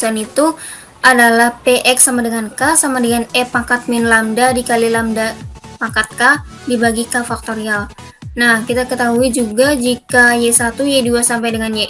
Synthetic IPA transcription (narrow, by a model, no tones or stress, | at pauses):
sanit̪u | ʔadalahpeʔɛksamadəŋankasamadəŋanɛpakat̪̚mɪnlamdadikalilamdapakat̪̚ka | dibaɡikafak̚t̪oɾial | nahkit̪akət̪aɦuid͡ʒuɡad͡ʒikajɛsat̪ujaduasampajdəŋanjeʔ